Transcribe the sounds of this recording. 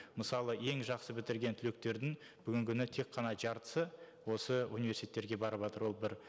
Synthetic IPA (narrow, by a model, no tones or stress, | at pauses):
məsɑlˠəje̞ŋʒɑqsəbɪt̪ɪɾɡʲe̞nt̪ʰʏle̞k̚t̪e̞ɾd̪ɪŋ | bʏɡʲɪŋkʲʰʏnɪt̪ʰe̞kqʰːɑnɑʒɑɾt̪ə̥sə | wo̞səunijve̞rsit̪et̪ːeɾɡʲe̞bɑɾəpʒɑt̪əɾwo̞lˠbɪɾ